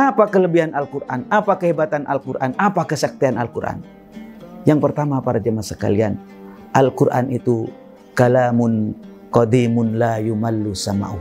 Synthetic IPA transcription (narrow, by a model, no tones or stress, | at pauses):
ʔapakələbiɦanalkurʔa̰napakəɦebat̪anʔa̰lkurʔanapakəsak̚t̪ianalkuɾʔa̰n | jaŋpərt̪amapaɾad͡ʒamasəka̰lian | ʔalkurʔa̰nʔit̪u | kalamʊn | kɔd̪imʊnlajumalːusama̰ʔu